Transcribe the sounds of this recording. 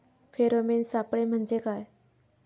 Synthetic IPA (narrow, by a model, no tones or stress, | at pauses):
feɾomensapɽem̤əɳd͡zekaj